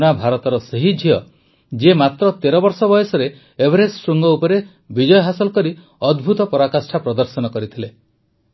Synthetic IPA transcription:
nabʱaɾɔt̪ɔɾɔseɦid͡ʒʱiɔ | d͡ʒemat̪ɾɔt̪eɾɔbɔɾsɔbɔjɔsɔɾeː | bʱɾesɾuŋɡɔupɔɾe | bid͡ʒɔjɔɦasɔlɔkɔɾi | ɔd̪bʱut̪ɔpɔɾakasʈʰapɾɔd̪ɔɾsɔnɔkɔɾit̪ʰile

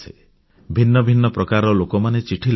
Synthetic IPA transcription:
e | bʱinːɔbʱinːɔpɾɔkaɾɔlokɔmanet͡ʃiʈʰil

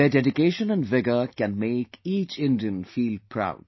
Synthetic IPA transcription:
eɖɛɖɪkeːʃə̃nə̃nɖʋɪɡəkɛ̃nmeːkiːt͡ʃɪ̃ndiə̃nfiːlpʰɾa̰ʊd̚

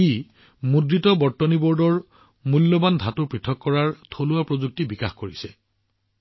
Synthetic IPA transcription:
i | mudɹitɔbɔɹtːɔnibɔɹdɔɹ | mulːɔbandʱatuɹpɹitʰɔkːɔɹaɹtʰoluapɹozuk̚tibikaxkoɹisɛ

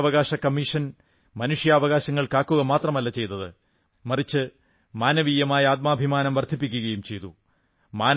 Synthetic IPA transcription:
ʋɐɣaːɕɐkɐmːiʂɐn | mɐnuʂjɐːʋɐɣaːɕɐŋːɐɭkaːkːuɣɐmaːt̪rɐmɐlːɐt͡ɕe̞jt̪ːɐðɨ | mɐrit͡ɕːɨ | maːnɐʋiːjɐmaːjɐaːt̪̚maːbʱimaːnɐmʋɐrd̪ʱip̬ːikʲːuɣɐjumt͡ɕe̞jt̪u | maːn

